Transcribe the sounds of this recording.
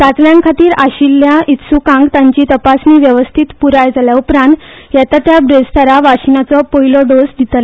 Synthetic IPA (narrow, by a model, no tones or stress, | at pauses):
t̪at͡sljãŋkʰat̪iːɾaɕilːjaʔit̪sukãŋɡt̪ãɲt͡ɕiːt̪əpasniːʋjəʋəst̪ʰit̪puɾajd͡zaljaupɾãnt̪ | jɛt̪at̪jabɾest̪ʰaɾaʋaɕinat͡sɔpoɦilɔd̪osd̪ʱit̪əl